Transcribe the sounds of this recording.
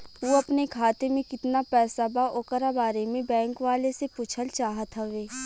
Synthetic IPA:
ʋoɐpnekʰaːt̪emẽkɪt̪napɛːsabaʔokəɾabaːɾemẽbɛ̃ːŋkʋaːlesepʊt͡ʃʰəlt͡ʃaːɦət̪ɦɐʋeː

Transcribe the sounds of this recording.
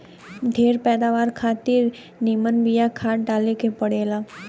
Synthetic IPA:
d̪ʱeːɾpɛːd̪aːʋaːɾkʰaːt̪ɪɾ | nimənbijakʰaːʈɖaːlekepəɽeːlaː

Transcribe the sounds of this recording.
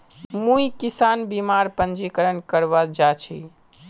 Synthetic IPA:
mũjkisanbimaɾpənd͡ʒikəɾənkəɾbad͡ʒat͡ʃʰi

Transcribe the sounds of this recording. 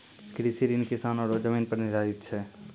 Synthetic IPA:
kɾiːsiɾinkɪsaːnɔːɾod͡ʒəmiːnpəɾnɪɾaːɪt̪t͡ʃʰɛː

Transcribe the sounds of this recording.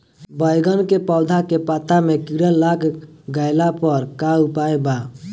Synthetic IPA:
bəjɡənkepɔʊd̪ʱakepat̪amekiɾəakɡəɪlapəɾkaupajba

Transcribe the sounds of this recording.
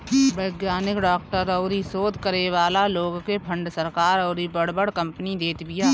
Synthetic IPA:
bəɪɡjaːnɪkɖaːk̚ʈəɾɔːɾisoːd̪kəɾeʋaːlaloːɡkepʰə̃ɳɖsɐɾkaːɾɔːɾibəɽ̤bəɽkɐ̃mpnid̪eːt̪bɪjaː

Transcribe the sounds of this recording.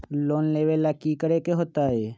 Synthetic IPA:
loːnleːʋelːakikəɾekeɦoːt̪aɦɛː

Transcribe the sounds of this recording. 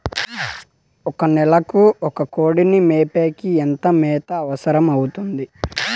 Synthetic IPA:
ɔkɐnɛlɐkuɔkɐkoːɽinimeːpeːkient̪ɐmɛːt̪ɐːʋɐsɐɾɐmɐwut̪und̪i

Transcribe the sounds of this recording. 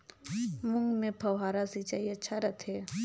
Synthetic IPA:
mʊ̃ŋɡmẽpʰɐwɦaːɾasit͡ʃaːiɐtːʃʰaɾɐt̪ʰɦɛː

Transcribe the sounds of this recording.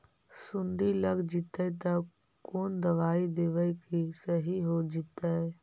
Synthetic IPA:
sʊ̃nd̪iləɡd͡ʒit̪əjt̪a | koːnd̪əʋaːid̪eːʋəikisəɦiɦod͡ʒit̪ae

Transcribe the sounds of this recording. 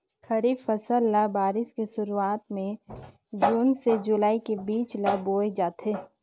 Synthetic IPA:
xɐɾiːfəsəlːabaːɾɪskesʊɾuaːt̪mẽ | d͡ʒuːnsed͡ʒʊlaːikebiːt͡ʃlaboːed͡ʒaːt̪ɦeː

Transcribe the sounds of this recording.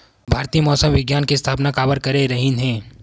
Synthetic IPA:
bʱaːɾt̪iːəmɔːsəmʋɪɡjaːnkeɪst̪ʰaːpnakaːbəɾkɐɾeɾɐɦĩnɦɛ̃ː

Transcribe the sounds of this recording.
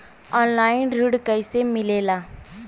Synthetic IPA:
ɔːnlaːɪnɾuɽkəɪsemɪleːlaː

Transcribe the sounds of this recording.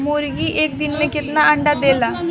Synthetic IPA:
moːɾɡiʔeːk̚d̪ɪnmẽkɪt̪naɐ̃ɳɖad̪eːlaː

